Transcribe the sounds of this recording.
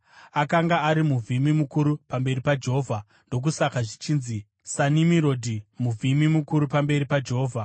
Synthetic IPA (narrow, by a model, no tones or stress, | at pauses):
akaŋɡaːɾimuvimimukuɾupambe̞ɾipad͡ʒe̞ɦoːvʱa | ndo̞k̬usakaʐit͡ʃiːnzi | sanimiɾo̞dʱimuvʱimimukuɾupambe̞ɾipad͡ʒeɦoːvʱa